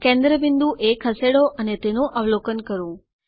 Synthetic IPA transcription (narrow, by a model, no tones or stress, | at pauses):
kẽnd̪ɾəbɪnd̪uʔekʰəseɽoʔənet̪enũʔəʋlokənkəɾũ